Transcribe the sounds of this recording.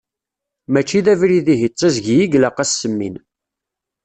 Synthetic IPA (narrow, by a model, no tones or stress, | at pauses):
mæt͡ʃːiðævɾiðiɦit͡sˤːæzʝjiɡlɑqæsːəmːḭn